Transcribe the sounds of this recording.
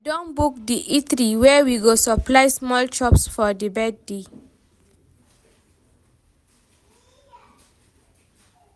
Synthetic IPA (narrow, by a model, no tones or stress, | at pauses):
dɔ̃nbuk̚diʔitɾiwɛwiɡosəplajsmɔlt͡ʃɔpsfɔdebɛd̚de